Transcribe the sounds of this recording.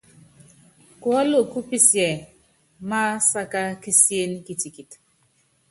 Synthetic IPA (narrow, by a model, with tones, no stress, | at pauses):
kwa˦lo˦˨ku˦pi˦sjɛ˨ | ma˦sa˦ka˦ki˦sje˦n˦ki˨ti˨ki˨t